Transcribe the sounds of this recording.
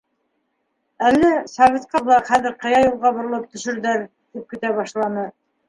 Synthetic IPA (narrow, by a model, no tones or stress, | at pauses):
ælːæsɑvʲet̪qɑβlˠɑχæðɘɾqɤ̆jɑjulˠʁɑbŏɾɤ̆lˠɤp̚t̪ɵ̆ʃɘ̆ɾðæɾ | t̪ip̚kɘ̆t̪æβɑʃlˠɑnɤ